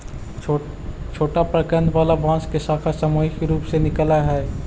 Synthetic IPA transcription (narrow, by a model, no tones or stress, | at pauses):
t͡ʃʰoːʈapɾɐkə̃nd̪ʋaːlaʋãːskesaːkʰasɐmoːɪxɾuːpsenɪkəlaɦɛː